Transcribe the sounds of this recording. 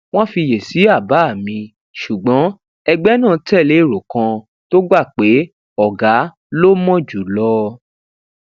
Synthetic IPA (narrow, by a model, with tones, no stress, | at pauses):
w̃ɔ̃˦fi˧je˨si˨˦a˦˨ba˨˦˨mĩ˧ | ʃu˨ɡ͡bɔ̃˨˦ | ɛ˧ɡ͡bɛ˦nãː˦˨tɛ˦˨le˨˦i˦˨ɾo˨kã˧ | to˦ɡ͡ba˦˨k͡pe˨˦ | ɔ˨ɡa˨˦ | lo˦mɔ̃˦d͡ʒu˨˦lɔ˧